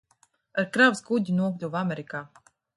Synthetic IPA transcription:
aɾkɾavsɡuɟ̪ʲinuɔklʲuvameɾikaː

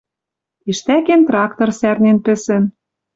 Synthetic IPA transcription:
iʃt̪ækent̪rɑkt̪orsærnenpɘ̆sɘ̆n

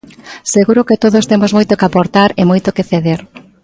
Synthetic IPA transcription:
seɣuɾʊket̪oðost̪emozmojt̪okapoɾt̪aɾemojt̪okeθeðeɾ

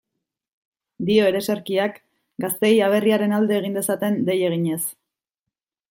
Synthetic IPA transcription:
d̪io̞e̞ɾe̞seɾkiak | ɡast̪e̞jaβ̞e̞riaɾe̞nald̪e̞ːɣ̞ind̪e̞sat̪e̞nd̪e̞je̞ɣ̞iɲe̞s

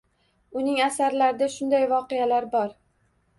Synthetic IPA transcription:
ʊnɪŋasaɾlaɾɪd̪aʃʊnd̪ajvɒqejalaɾbɒɾ

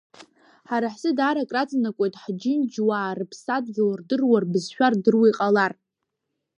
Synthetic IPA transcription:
ħaɾaħzɨdaːɾakʼrat͡sʼnakʷʼo̞jtʼħd͡ʒɪnd͡ʒwaːrɨpʰsadɡʲalrdɨrwarbɨzʃᶣardɨrwijqʼalar

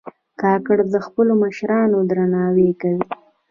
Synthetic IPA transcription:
kɑkəɽd̪əxpəloməʃɾɑnod̪ɾanɑwekawi

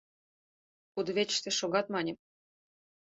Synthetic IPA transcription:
kud̪βʲet͡ɕʃt̪ĕʃoɣɑt̪mɑnʲĕ

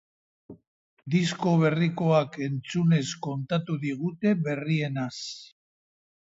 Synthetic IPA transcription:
d̪is̬ko̞β̞e̞riko̞ake̞nt͡sune̞sko̞nt̪at̪uðiɣ̞ut̪e̞βe̞rie̞nas

